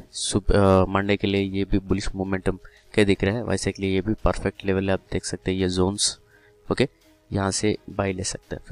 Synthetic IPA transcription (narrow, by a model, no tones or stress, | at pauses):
sʊbmɐ̃ɳɖejkeliejebʱibʊlɪʃmoːmẽɳʈəm | ked̪ɪkʰɾaɦɛʋʔa̰ːsekeliejebʱipəɾfɛk̚ʈleːʋəlaːp̚d̪eːkʰsɐk̚t̪eɦɛ̃jezoːns | oːke | jɐɦãsebaːɪleːsɐk̚t̪aɦɛ